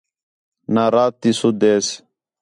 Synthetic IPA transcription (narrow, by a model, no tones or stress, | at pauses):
naɾaːt̪ːisud̪eːs